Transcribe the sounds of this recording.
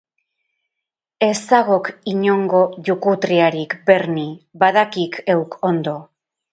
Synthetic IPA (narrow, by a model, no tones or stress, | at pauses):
e̞saɣo̞kiɲo̞ŋɡo̞ʝukut̪ɾiaɾikbe̞ɾnibaðakikʰe̞wko̞nd̪o̞